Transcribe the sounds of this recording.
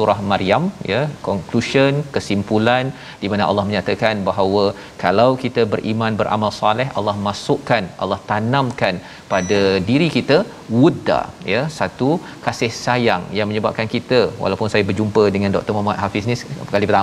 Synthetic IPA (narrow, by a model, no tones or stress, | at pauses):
suɾahmaɾiamjakɔŋkluʃənkəsimpulan | d̥imanaʔa̰lːɑhməɲat̪akanbaɦawə | kalawkit̪əbərʔimãnbəɾʔa̰malsalɛɦa̰lːɑhmasʊʔkanʔa̰lːɑht̪anãmkan | padadiɾikit̪ə | wuda̰jasat̪u | kasɪhsaja̰ŋjaŋməɲəba̰p̚kankit̪awa̰lawpʊnsajabərd͡ʒumpədəŋandɔ̰k̚t̪ərmamat̪hafɪsnikalipət̪a